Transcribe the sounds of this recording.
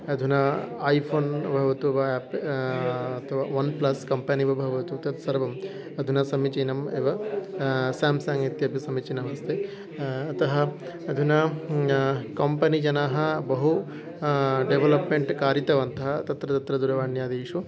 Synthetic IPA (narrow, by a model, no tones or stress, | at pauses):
ɐd̪ʱunɐːjpʰoːnbʱɐʋɐt̪uʋɐːp | ɐt̪ʰɐʋaːʋɐnplɐskɐmpɐniʋɐbʱɐʋɐt̪ut̪ɐt̪sɐɾʋɐm | ɐd̪ʱunɐsɐmit͡ʃinɐmeʋɐ | saːmsaːŋit̪jɐbʱisɐmit͡ʃinɐʋɐst̪ʰeː | t̪ɐɦɐ | ɐd̪ʱunɐ | kɐmpɐnid͡ʒɐnaːɦɐ̆bɐɦu | ɖeʋɐlɐpmeɳʈkaːɾit̪ɐʋɐnt̪ɐɦɐt̪ɐt̪ɾɐt̪ɐt̪ɾɐd̪uɾɐʋaːɳjaːd̪iːʂu